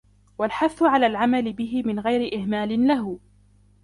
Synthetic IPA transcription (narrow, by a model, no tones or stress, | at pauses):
walħaθːʊʕalaːlʕamalɪbɪɦɪmɪnɣajɾɪʔɪhmaːlɪnlaɦʊ